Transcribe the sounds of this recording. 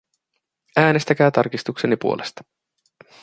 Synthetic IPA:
æːne̞st̪æk̟æːt̪ɑrkist̪uksenipuo̞lʔe̞st̪ɑ̥

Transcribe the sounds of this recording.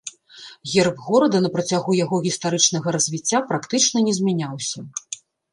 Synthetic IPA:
ɣʲɛrbɣɔɾɐd̪ɐnɐpɾɐt͡sʲaɣujaɣɔɣʲist̪aɾɨt͡ʂn̪ɐɣɐɾɐzʲvʲit͡sʲːapɾakt̪ɨt͡ʂnɐnʲɛzʲmʲanʲawsʲɐ

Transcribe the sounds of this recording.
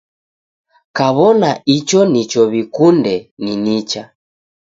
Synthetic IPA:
kaβɔnait͡ʃɔnit͡ʃɔβikundɛninit͡ʃa

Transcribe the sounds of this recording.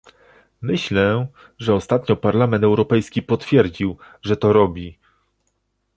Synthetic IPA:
mɘɕlɛ | ʐɛɔst̪at̪ɲɔpaɾlamɛnt̪ɛwɾɔpɛjskʲipɔt̪fʲjɛɾd͡ʑiw | ʐɛt̪ɔɾɔbʲi

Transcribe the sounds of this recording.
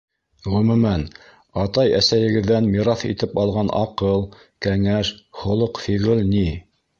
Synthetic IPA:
ʁɵ̆mɵ̆mæn | ɑt̪ɑjæsæjɘ̆ɡɘ̆ðːænmiɾɑθḭt̪ɘpɑlˠʁɑnʔɑ̰qɤlˠ | kæŋæʃχŏlˠɤqfiʁɘlni

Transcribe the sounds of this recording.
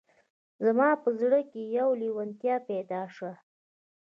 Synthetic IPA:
zamɑpəzɽəkejawliwant̪jɑpɛd̪ɑʂa

